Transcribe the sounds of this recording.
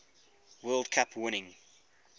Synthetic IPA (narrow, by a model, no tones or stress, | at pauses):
wɜːlˠdkʰapʰwɪñɪ̃ŋ